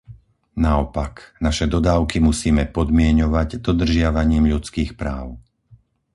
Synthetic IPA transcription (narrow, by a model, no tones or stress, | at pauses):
naɔpaknaʃɛd̪ɔd̪aːʊkimusiːmɛpɔd̪mɪɛɲɔʋaɟd̪ɔd̪r̩ʒɪaʋaɲiːmʎut͡skiːxpɾa̰ːʊ